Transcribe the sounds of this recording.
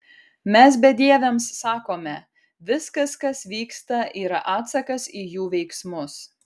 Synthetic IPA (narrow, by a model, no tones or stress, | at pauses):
mʲɛsbʲɛd̪ʲiɛʋʲɛmsːɑːkoːmʲɛ | ʋʲɪskɐskɐsʋʲiːkst̪ɐʔiːɾɐ̰ʔɑːt̪sɐkɐsiːjuːʋʲɛɪksmʊs